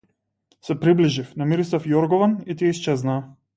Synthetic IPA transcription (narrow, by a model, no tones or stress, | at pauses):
sɛpɾibliʒifnamiɾisafjɔɾɡɔvanit̪ijɛist͡ʃɛznaː